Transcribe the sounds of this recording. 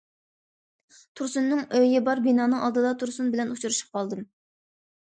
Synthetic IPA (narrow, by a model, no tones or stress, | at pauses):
t̪ʰuɾsunːɨŋøjɪbɑɾbinɑːnɨŋɑlˠd̪ɨd̪ɑt̪ʰuɾsunbɪlɛnut͡ʃʰuɾɨʃə̥p̚qʰɑlˠd̪ɨm